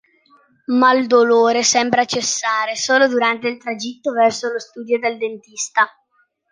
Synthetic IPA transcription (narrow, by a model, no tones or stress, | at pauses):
mald̪oloːɾesɛmbɾat͡ʃesːaːɾesoːlod̪uɾant̪eilt̪ɾad͡ʒit̪ːovɛrsolost̪uːd̪jod̪eld̪ent̪ist̪a